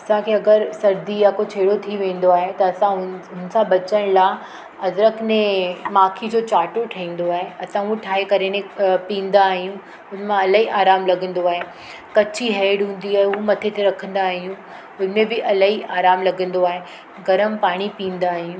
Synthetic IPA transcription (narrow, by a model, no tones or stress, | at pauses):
ɐsãkʰeɐɡəɾsɐɾd̪ijakot͡ɕʰeːɽot̪ʰiʋẽːn̆d̪oaːɦet̪ɐɐsãɦʊn̆sãbɐt͡ɕəɽ̃laː | ɐzɾəkʰnẽmaːkʰid͡ʑoːt͡ɕaːʈoʈʰɐĩːn̆d̪oaːɦeɐsãuʈʰaːɦekɐɾenẽpĩːn̆d̪aːɦijũ | ʊnəmãɐlaɦiʔaːɾaːmlɐɡʱə̃nd̪oaːɦe | kɐt͡ɕiɦeːɖɦũːn̆d̪iaːɦeʊɦumɐt̪ʰet̪eɾɐkʰə̃nd̪aːɦijũ | ʊn̤mẽbɪʔɐlaɦiʔaːɾaːmlɐɡʱə̃nd̪oaːɦe | ɡɐɾəmpaːɽ̃ipĩːn̆d̪aːɦijũː